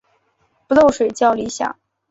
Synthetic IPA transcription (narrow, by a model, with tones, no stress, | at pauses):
pu˧˥lo˥˩ʊʂwe˨˩ɪt͡ɕjɑ˥˩ʊli˧˥ɕjɑ̰˨˩˦ŋ